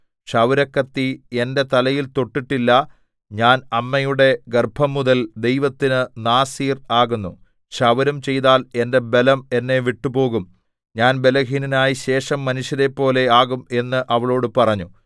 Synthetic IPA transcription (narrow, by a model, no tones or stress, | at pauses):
ɕɐʋɐɾɐkːɐt̪ːie̞nde̞t̪ɐlɐjilt̪o̞ʈːiʈːilːɐ | ɲaːnɐmːɐjuɽe̞ɡerbʱɐmːuðɐld̪e̞jʋɐt̪ːinɨnaːsiːraːɣunːu | ɕɐʋɐɾɐmt͡ɕe̞jt̪aːle̞nde̞be̞lɐme̞nːe̞ʋiʈːupo̞ːɣum | ɲaːnbe̞lɐɦiːninaːjiɕe̞ːʂɐmːɐnuɕjɐɾe̞pːo̞ːle̞aːɣume̞nːɨʔɐʋɐɭo̞ːɽɨpɐrɐɲːu